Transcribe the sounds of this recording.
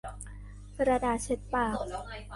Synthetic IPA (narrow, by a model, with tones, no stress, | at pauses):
kɾa˧daː˧˩t͡ɕʰe˦˥t̪̚paː˨˩k̚